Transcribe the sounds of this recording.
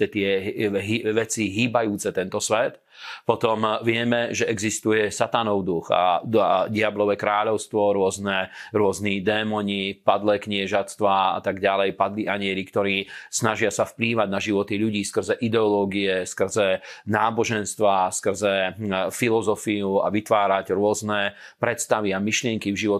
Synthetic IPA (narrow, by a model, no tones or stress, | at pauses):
t̪ɛt̪ɪɛɦiʋɛt͡siɦiːbajuːt͡sɛt̪ɛnt̪ɔsʋɛt̪ | pɔt̪ɔmʋɪɛmɛʒɛɛɡzist̪ujɛsat̪anɔʊd̪uxa̰dɪablɔʋɛkɾaːʎɔʊst̪ʋɔɾʊɔznɛɾʊɔznid̪ɛːmɔɲipad̪lɛkɲɪɛʒast̪ʋaa̰t̪aɡɟalɛjpad̪liʔaɲɪɛɾikt̪ɔɾiːsnaʒɪasafpliːʋaɟnaʒiʋɔt̪iʎuɟiːskr̩zɛʔid̪ɛɔlɔːɡiɛskr̩zɛnaːbɔʒɛnst̪ʋaskr̩zɛfilɔzɔfiua̰ʋit̪ʋaːɾaɟɾʊɔznɛ | pɾɛt̪st̪aʋiamiʃlɪɛŋkivʒiʋɔ